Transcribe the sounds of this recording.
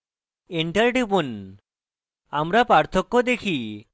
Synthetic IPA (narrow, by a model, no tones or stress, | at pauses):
eɳʈaɾɖipun | amɾapaɾt̪ʰokːod̪ekʰi